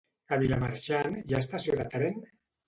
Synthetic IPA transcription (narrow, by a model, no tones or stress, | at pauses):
aβilamaɾt͡ʃanjaest̪asjoðat̪ɾen